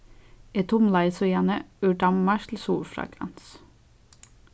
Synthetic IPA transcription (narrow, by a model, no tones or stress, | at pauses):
eːt̪ʰʊmlɑɪsojæːnəʉɖɑmmɑʃt̪ʰl̩suːlfɾɑ̰ːɡɾɑ̰ns